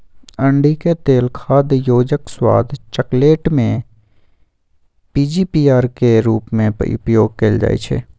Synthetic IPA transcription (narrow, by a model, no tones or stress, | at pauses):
ə̃ɳɖiket̪eːlkʰaːd̪joːd͡ʒəkswa̰ːd̪ʱt͡ʃəkleːʈmẽ | piːd͡ʒiːpiːaːɾkeɾuːpmḛ̃ʊ̰pjoːɡ̚keːld͡ʒa̰ːḛt͡ʃʰḛː